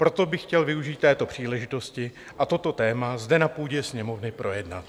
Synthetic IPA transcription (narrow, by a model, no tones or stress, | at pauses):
pɾo̞t̪obɪxcɛlvɪuʒiːt̪t̪ːɛːt̪o̞pr̥iːlɛʒɪt̪o̞scɪ | ʔat̪o̞t̪o̞t̪ɛːmazdɛnapuːɟɛsɲɛmo̞vnɪpɾʔo̞jɛdna̰t̪